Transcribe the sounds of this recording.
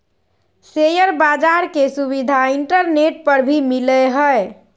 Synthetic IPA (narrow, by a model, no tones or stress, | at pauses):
sejəɾbad͡ʒaɾkesuβid̪ʱaiɳʈəɾneʈ̚pəɾbʱimiləɦəe